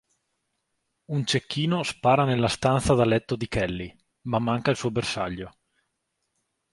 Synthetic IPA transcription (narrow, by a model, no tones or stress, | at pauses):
unt͡ʃekːiːnospaːɾanelːast̪ant̪sad̪alɛt̪ːod̪ikɛlːi | mamːaŋkailsuːobersaʎːo